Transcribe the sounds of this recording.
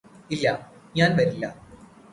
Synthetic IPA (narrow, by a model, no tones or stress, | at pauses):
ilːɐɲaːnʋɐɾilːɐ̰